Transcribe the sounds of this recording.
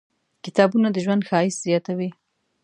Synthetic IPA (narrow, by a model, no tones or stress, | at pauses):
kɪ̥t̪ɑbunad̪əʒwand̪xɑɪszjɑt̪awi